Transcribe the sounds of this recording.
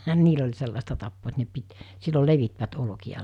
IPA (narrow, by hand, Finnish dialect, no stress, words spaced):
niːl olʲ selːɑstɑ tɑpːoː et ne pit silːol leʋitʋæt olŏkiɑ